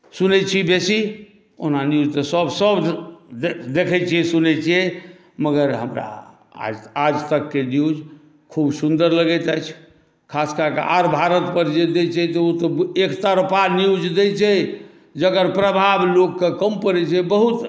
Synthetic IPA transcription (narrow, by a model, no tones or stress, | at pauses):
sunɛt͡ʃʰibesi | o̰nanjud͡ʒt̪əsəbʱsəb | d̪ekʰɛt͡ʃʰiɛsunɛt͡ʃʰiɛ | məɡəɾɦə̰mɾa̰ | ad͡ʒt̪əkːenjud͡ʒ | kʰubsund̪əɾləɡɛt̪ajt͡ʃʰ | kʰaskəkḛa̰ɾbʱaɾət̪pəɾd͡ʒed̪et͡ʃʰɛt̪ɔot̪ɔekt̪aɾpaniud͡ʒd̪et͡ʃʰɛ | d͡ʒəɡəɾpɾəbʱablokːekəmpəɾɛt͡ʃʰɛbəɦut̪